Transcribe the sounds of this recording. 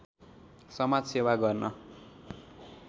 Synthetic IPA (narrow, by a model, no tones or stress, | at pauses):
sʌmad͡zsewaɡʌrnʌ